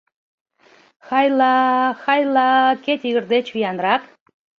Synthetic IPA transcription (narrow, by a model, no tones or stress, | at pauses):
xɑjlɑxɑjlɑket̪ʲiɣərd̪et͡ɕvijɑnɾɑk